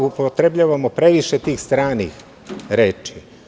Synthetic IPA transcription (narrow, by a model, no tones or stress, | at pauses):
upot̪ɾebʎaːʋamopɾe̞ʋiʃet̪iːxst̪ɾaːnḭx | ɾeːt͡ʃi